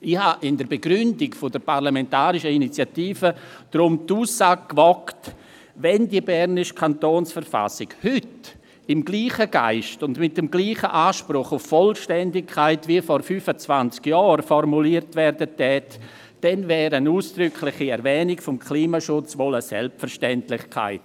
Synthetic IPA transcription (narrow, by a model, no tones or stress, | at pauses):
ɪhaʔɪndəɾbeɡɾʏndɪkfʊdəɾparlamɛntaːɾɪʃəinit͡sjatiːfəd̥ɾʊmtuːssaːɡ̚kvɔkt | vɛndibɛɾnɪʃkʰantoːnsfəɾfa̰sɪɡhʏt | ɪmɡliːχəɡ̥a̰ɪʃtʊndmɪt̚dəmɡliːχəʔaːʃpɾʊχʊfːɔlʃtɛndɪkʰːaɪtviəfɔɾfyːfət͡svant͡skjɔːɾfɔrmuliːəɾtvɛːɾdətɛt | d̥ɛnvɛːɾəənuːsd̥ɾʏkʰlɪχiɛɾvɛːnɪkfʊmkʰliːmaʃʊt͡svoləsɛ̰lptfəɾʃtɛntlɪχkʰa̰ɪt